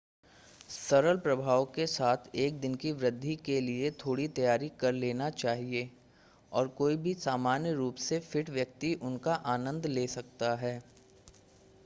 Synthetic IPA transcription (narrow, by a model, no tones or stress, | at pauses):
sɐɾəlpɾɐbʱaːʋkesaːt̪ʰeːk̚d̪ɪnkiʋɾɪd̪ʱːikeliet̪ʰoːɽit̪ɐjaːɾikɐɾleːnat͡ʃaːɦie | ɔːɾkoːibʱisaːmaːnjəɾuːpsefɪʈʋjɐk̚t̪iʔʊnkaʔaːnə̃nd̪leːsɐk̚t̪aɦɛː